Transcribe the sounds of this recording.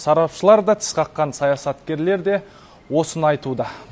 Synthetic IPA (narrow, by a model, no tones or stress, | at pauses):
sɑɾɑpʃəlˠɑɾd̪ɑt̪ʰɪ̥sqʰɑqːɑnsɑjɑsɑt̪kʲe̞ɾle̞ɾd̪e̞ | wo̞sənɑjt̪ud̪ə